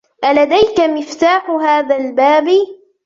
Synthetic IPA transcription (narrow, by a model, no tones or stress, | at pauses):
ʔalad̪ajkamɪft̪aːħʊɦaːðalbaːbɪ